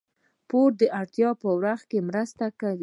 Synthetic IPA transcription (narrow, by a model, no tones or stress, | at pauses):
poɾd̪əʔaɽt̪jɑpəwɾaxkemɾəst̪akawi